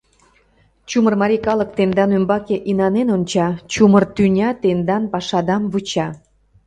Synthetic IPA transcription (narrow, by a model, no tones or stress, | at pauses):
t͡ɕumərmɑɾʲikɑlək̚t̪end̪ɑnømbɑkeʔinɑnenonʲt͡ɕɑt͡ɕumərt̪ynʲɑt̪end̪ɑnpɑʃɑd̪ɑmβut͡ɕɑ